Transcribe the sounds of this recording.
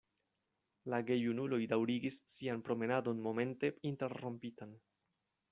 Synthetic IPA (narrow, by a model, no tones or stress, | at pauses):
laɡe̞junulo̞jdawɾiɡisːianpɾo̞me̞nado̞nmo̞me̞nte̞inte̞ɾːo̞mpitan